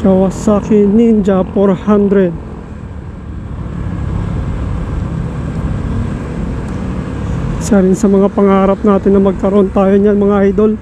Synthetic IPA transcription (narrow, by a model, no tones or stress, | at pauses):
kawasakɪnind͡ʒapoɾhand̪ɾɛd̪̚ | ʃaɾɪnsɐmɐŋapɐŋaːɾɐp̚naːt̪ɪnːɐmɐɡ̚kɐɾoʔo̞nt̪aːjoɲanmɐŋaʔajd̪o̞l